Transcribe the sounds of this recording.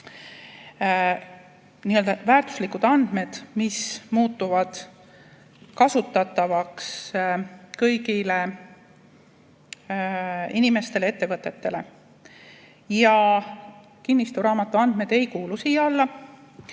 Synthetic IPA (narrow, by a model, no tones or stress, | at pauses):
niːø̞ld̪ɑvæːɾt̪u̥slikːud̪̥ɑnd̪̥me̞d̪̥mismuːt̪ːˑuvɑd̪̥ | kɑsut̪ːˑɑt̪ːˑɑvɑks | kɤjɡile̞ | inime̞st̪e̞lee̞t̪ːevɤt̪ːˑe̞t̪ːe̞le̞ | jɑ | kinːist̪uɾɑːmɑt̪ːˑuɑnd̪̥me̞d̪̥e̞jkuːlusiːɑlːɑ